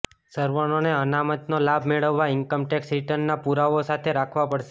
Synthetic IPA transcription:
səɾʋanoneənamət̪nolabʱmeɭəʋːaɪŋkəmʈɛksɾiʈənːapuɾaʋosat̪ʰeɾakʰʋapəɽʃe

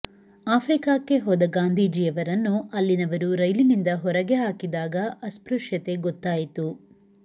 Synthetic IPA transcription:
aːpʰɾikaːkːe̞ɦɔːd̪ɐɡaːnd̪ʱiːd͡ʒijɐʋɐɾɐnːuʔɐlːinɐʋɐɾuɾɐjlinind̪ɐɦɔɾɐɡe̞ɦaːkid̪aːɡɐʔɐspɾuʂjɐt̪e̞ɡɔt̪ːaːjit̪u

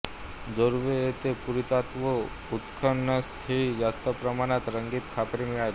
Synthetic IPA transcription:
d͡zəɾuʋeet̪epuɾit̪at̪ʋo | ut̪kʰəɳnːəst̪ʰeid͡zast̪əpɾəmañat̪ɾəŋɡit̪kʰapɾimiɭaj

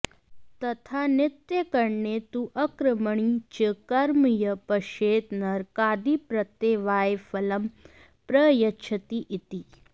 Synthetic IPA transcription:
t̪ɐt̪ʰanɪt̪jɐkɐɾɳet̪uʔɐkɾɐmɐɳ̃it͡ʃəkɐɾmijɐpɐʃeːt̪nɐɾkaːd̪ipɾɐt̪eːʋaːjefɐlɐm | pɾɐjɐt͡ʃʰɐt̪iʔit̪i

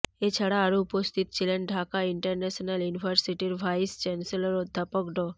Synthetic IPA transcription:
et͡ʃʰəɽaːɾuupəst̪ʰit̪̚t͡ʃileɳɖʱakaiɳʈəɾnɛsnəljuniʋəɾsiʈiɾʋajst͡ʃɛnseləɾod̪ʱːapəkɖo

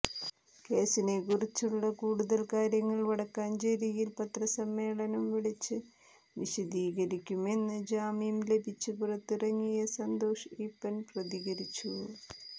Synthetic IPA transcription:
ke̞ːsinekurit͡ɕːuɭːɐkuːɽuðɐlkaːɾjɐŋːɐɭʋɐɽɐkːaːnd͡ʑɐɾijilpɐt̪rɐsɐmːe̞ːɭɐnɐmʋiɭit͡ɕːɨ | ʋiɕɐd̪iːɣɐɾikʲːume̞nːɨd͡ʑaːmimle̞bʱit͡ɕːɨpurɐt̪ːirɐŋːijɐsɐnd̪o̞ːʂipːɐnprɐðiɣɐɾit͡ɕːu

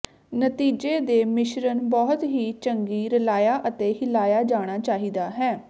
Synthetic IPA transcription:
nət̪iːd͡ʒeːd̪eːmɪʃɾənbɔːt̪ɦiːt͡ʃəŋɡiːɾəlaːjaːʔət̪eːɦɪlaːjaːd͡ʒaːɽ̃aːt͡ʃaːɦiːd̪aːɦɛː

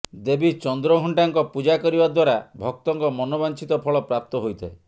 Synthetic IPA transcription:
d̪ebit͡ʃɔnd̪ɾɔɡʱɔɳʈaŋkɔpud͡ʒakɔɾibad̪waɾabʱɔk̚t̪ɔŋkɔmɔnɔbant͡ʃit̪ɔpʰɔɭɔpɾap̚t̪ɔɦojt̪ʰae

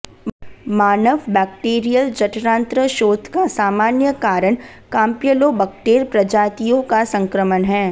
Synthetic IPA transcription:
maːnəʋbɛːk̚ʈeːɾijəld͡ʒɐʈɾãːnt̪ɾəʃoːd̪ʱkasaːmaːnjəkaːɾəɳ̃ | kãːmpijəlobɛkʈeːɾpɾɐd͡ʒaːt̪ijõkasɐ̃ŋkɾəmənɦɛː

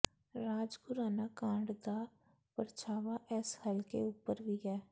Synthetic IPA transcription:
ɾaːd͡ʒkʊɾaːnaːkãːɳɖd̪aː | pəɾt͡ʃaːʋaʔɛshəlkeʊpːəɾʋiːɦɛː

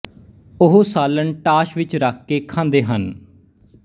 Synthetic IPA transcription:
ʊɦosaːləɳʈaːʃʋɪt͡ʃɾaːkʰːeːkʰãːnd̪eːɦən

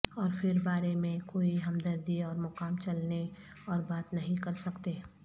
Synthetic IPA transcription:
ɔːɾfɪɾbaːɾemẽkoːiɦɐmd̪əɾd̪iɔːɾmʊqaːmt͡ʃɐlne | ɔːɾbaːt̪nɐɦĩkɐɾsɐkt̪eː

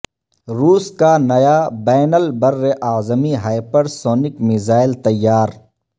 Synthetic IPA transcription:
ɾuːskanɐjabɛːnəlbɐɾːeʔaːzəmiɦaːɪpəɾsoːnɪkmɪzaːɪlt̪ɐjːaːɾ

